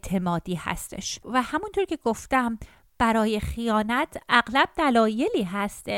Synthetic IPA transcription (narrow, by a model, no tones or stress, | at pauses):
t̪ʰe̞mɒːd̪iːhæ̰st̪e̞̰ʃvæhæmunt̪ʰoɾcʰe̞ɡoft̪æm | b̥æɾɒːje̞xijɒːnæt̪ʰʔæɣlæb̥̚d̪ælɒːje̞liːɦæst̪